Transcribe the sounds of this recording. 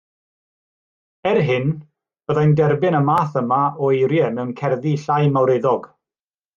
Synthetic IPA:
ɛrɦɪn | b̥əðajndɛrbɪnəmaːθəmaɔejɾjɛmɛwənkʰɛrðiɬajmawɾeðɔɡ̥

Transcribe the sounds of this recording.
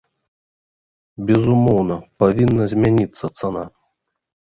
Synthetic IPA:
bʲɛzumɔwnɐpavʲinːɐzʲmʲanʲit̪sːɐt̪sana̰

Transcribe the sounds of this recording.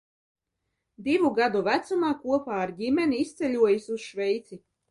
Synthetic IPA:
d̪ivuɡad̪uvæt̪sumaːkuɔpaːɾɟimʲɛniist̪sɛlʲuɔjisuz̥ʃvɛjt̪si

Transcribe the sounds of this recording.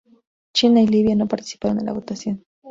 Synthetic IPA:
t͡ʃinailiβjanopaɾt̪i̥si̥paɾond̪ela̰ɣot̪asjon

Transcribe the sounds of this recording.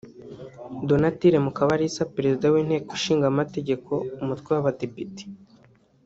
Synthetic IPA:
donatiɾemukaβaɾisapeɾezidawiːn̥he̞ːkoʃiːŋɡamate̞ɟe̞kʰo̞umutwewaβadepiti̥

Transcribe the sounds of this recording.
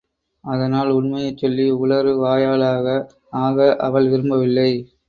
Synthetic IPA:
ɐðɐnaːlʊɳmɐjɐɪt͡ʃːɔlːiʊɭɐɾɯʋaːjaːɭaːɣɐ | aːɣɐʔɐʋɐɭʋɪɾɯmbɐʋɪlːɐɪ

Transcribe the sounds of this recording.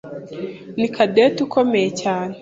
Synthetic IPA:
nikʰadetukʰomejecaːne

